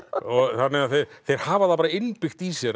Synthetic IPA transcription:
ɔɣθanːɛaðθejɾθejɾ̥haːvaθap̬aɾaɪnpɪxt̪isjɛɾ

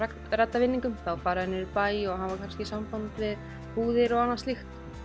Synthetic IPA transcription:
akt̪rɛt̪ːavɪnːiŋkʏmθawfaːɾaðɪnːɪɾɪpaːjɔɣɦanvakʰanscɪsampant̪vɪð | puːðɪɾɔɣanːḁst̪lixt̪

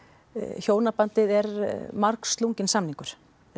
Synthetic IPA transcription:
çjoːwnapant̪ɪðɛɾmaɾkst̪luɲcɪnsamniŋkʏɾ̥

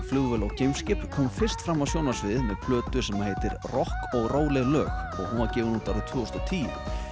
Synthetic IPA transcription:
flʏɣvɛlawcejmscɪp̪kʰɔːmfɪr̥st̪fɾamːavsjoːwnasvɪðmɛðpʰlœːt̪ʏsɛmheːjt̪ɪɾrɔhkɔɣroːwlɛɣlœːɣɔɣhɔnaɾcɛːvʏnuːt̪aɾðɪt̪ʰvʏːɔst̪ɔt̪ʰiːʏ̰

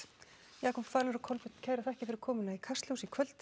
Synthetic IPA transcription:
jakʰɔmfaːɾʏɾʏkʰɔlpʏt̪cʰɛðɾaθɛhcɪfɪɾɪɾ̥kʰɔːmʏnaikʰast̪ljowsikʰvœlt̪

